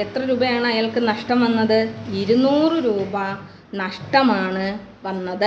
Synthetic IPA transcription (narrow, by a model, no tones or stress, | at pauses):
et̪rɐɾuːbɐjaːɳɨɐjaːlkɨnɐʂʈɐmʋɐnːɐðɨiɾunuːrɨɾuːbɐ | nɐʂʈɐmaːɳɨ | ʋɐnːɐðɨ